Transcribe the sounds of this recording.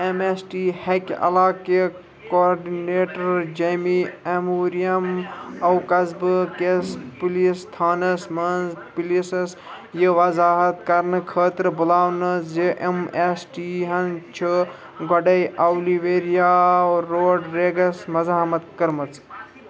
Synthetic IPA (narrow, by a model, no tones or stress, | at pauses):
emesʈihekɐ̰laːke | kooɾɖineːʈɐɾd͡ʒɐjmiemuːɾijɐmɐwkɐzbkespulist̪ʰaːnɐsmɐnpilisɐs | jəʋɐzaːɦɐt̪kɐɾnɨkʰəːt̪ɾbulaːwnɐzeʔemesʈiɦɐnt͡ʃʰi | ɡɐɖɐjʔɐwliʋeːɾijaoːoːɖɾeːɡɐsmɐzaːmɐt̪̚kɐɾmɐt͡s